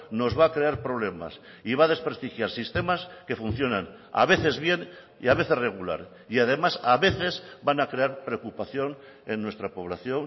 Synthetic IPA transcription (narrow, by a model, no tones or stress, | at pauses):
no̞zβaːkɾe̞aɾpɾo̞β̞le̞ma̰siβaðe̞spɾest̪ixjaɾsist̪e̞maske̞fun̟θjo̞nãn | a̰βe̞θe̞zβje̞n | ḭaβ̞e̞θe̞re̞ɣ̞ula̰ɾ | iaðe̞masaβe̞θe̞zbanakɾe̞aɾpɾeokupaθjo̞n | enːwe̞st̪ɾapo̞β̞laθjo̞ŋ